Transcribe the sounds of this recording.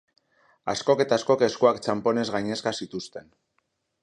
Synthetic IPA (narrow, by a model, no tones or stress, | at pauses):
a̰sko̞ke̞t̪asko̞ke̞skoakt͡ʃampo̞ne̞zɣajɲe̞skasit̪ust̪e̞n